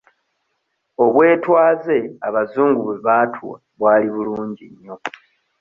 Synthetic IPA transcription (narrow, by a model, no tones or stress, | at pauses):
o̞βwe̞ːtwaːze̞aβazuːŋɡuβweβaːtʰuwa̰ | βwaːliβuluːɲɟiɲːo̞